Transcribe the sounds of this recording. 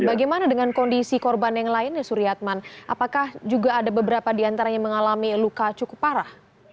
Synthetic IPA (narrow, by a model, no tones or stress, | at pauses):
baɡajmanadəŋankɔndisikɔrbanjaŋlaɪnjasuɾiat̪̚manʔapakahd͡ʒuɡaːdabəbəɾapadiant̪aɾaɲaməŋalamilukat͡ʃukʊ̥paɾah